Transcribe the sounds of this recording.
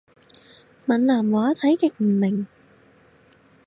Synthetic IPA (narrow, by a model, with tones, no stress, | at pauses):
mɐ˨˩nlaː˨˩mwaː˨˥t̪ʰɐ˨˥jkɪ˨k̚m̩˨˩mɪ˨˩ŋ